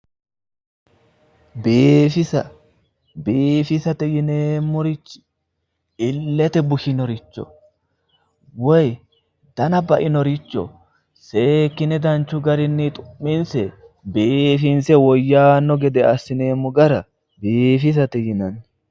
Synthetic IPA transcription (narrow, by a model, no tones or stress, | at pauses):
beːfɪsɐ | beːfɪsɐt̪ɛjɪneːmːʊɾɪt͡ʃːɪ̥ | ɪlːɛt̪ɛbʊʃɪnɔɾɪt͡ʃːɔ̰ | wɔj | d̪̥ɐnɐbɐʔɪnɔɾɪt͡ʃːɔ̰ | se̞ːkːɪnɛd̪ɐnt͡ʃːʊɡɐɾɪnːɪt̪ʼʊ̥mːɪnsɛ | beːfɪnsɛwɔjːaːnːɔɡɛd̪ɛɐsːɪne̞ːmːʊɡɐɾɐ | beːfɪs̬ɐt̪ɛjɪnɐn